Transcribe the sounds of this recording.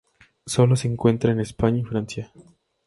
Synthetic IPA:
so̞lo̞se̞ːŋkwe̞nt̪ɾaenespaɲaifɾansja

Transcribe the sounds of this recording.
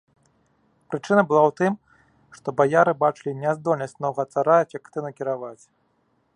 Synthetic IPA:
pɾɨt͡ʂɨnɐbɨlˠawt̪ɨm | ʂt̪ɔbajaɾɨbat͡ʂɨlʲinʲɛzd̪ɔlʲnɐsʲt͡sʲnɔwɣɐt̪saɾafʲɛkt̪ɨnukʲiɾavat͡sʲ

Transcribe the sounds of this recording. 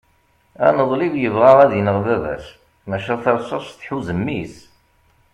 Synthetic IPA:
æ̰nəðˤlivjəvʁɑʁæðənəʁvævæ̰s | mæʃæθæɾsˤɑʃθħuzəmːis

